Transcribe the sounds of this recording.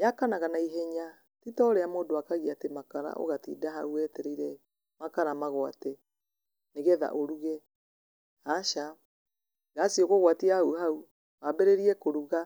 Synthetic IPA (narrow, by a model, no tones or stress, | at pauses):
jakanaɣanaiɦeɲa | titɔɾɛamoːdowakaɣiatemakaɾa̰ʔo̰ɣatḭdaɦa̰uɛtɛɾeiɾɛ | makaɾamaɣwatɛ | neɣɛða̰ʔoɾuɣɛ | haʃa | ɣasiɔɣoɣwatiauhau | mabɛɾeɾiɛkoɾuɣa